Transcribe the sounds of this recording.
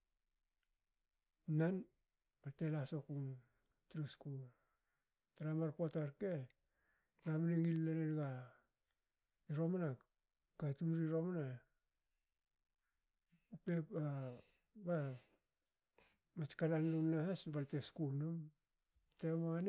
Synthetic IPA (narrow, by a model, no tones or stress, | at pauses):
nan | balte̞laso̞kuŋ | tɾuskul | taɾamaɾpotaɾke | ɾamaneŋilːanenɡa | iɾo̞mana | katunɾiɾo̞mana | upepa | ba | mat͡ʃkalannunahasbalteskulnum | teman